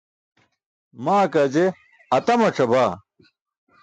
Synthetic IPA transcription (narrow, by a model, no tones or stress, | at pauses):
maːkɐd͡ʑe | ɐt̪ɐmɐʈ͡ʂʰɐbaː